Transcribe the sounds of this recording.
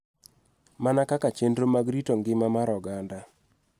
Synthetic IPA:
manakakat͡ʃendɾomaɡɾitoŋɡɪmamaɾɔɡanda

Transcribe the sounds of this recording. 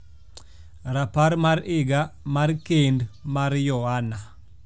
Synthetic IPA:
rapaɾmaɾɪɡamaɾkendmaɾjɔana

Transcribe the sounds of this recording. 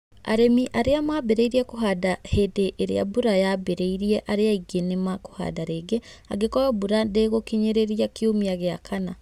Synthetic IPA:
a̰ɾemiʔaɾeamabeɾeiɾiekoɦadahedeʔeɾḛja̰buɾajabeɾeiɾieʔaɾeaiɡenimako̥ha̰daɾeɡea̰ɡekɔβabuɾandeɣokiɲeɾeɾiakiomiaɣeakʰana

